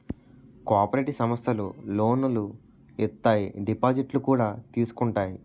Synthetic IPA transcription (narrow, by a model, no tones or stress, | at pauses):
kaːpɐɾeʈisɐmɐst̪ʰɐluloːnulu | ɛt̪ːaːjiɖipaːd͡ʒiʈlukuːɽaːt̪iːsu̥kuɳʈaːji